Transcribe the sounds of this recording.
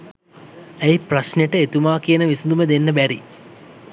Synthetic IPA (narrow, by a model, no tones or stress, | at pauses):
ejprɐɕneʈɨet̪umaːkijɐnɐʋisud̪umed̪enːɐbæɾḭ